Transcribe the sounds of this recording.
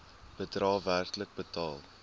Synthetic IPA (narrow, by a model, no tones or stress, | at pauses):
b̥ədrɑːværtələk̚bətɑːlˠ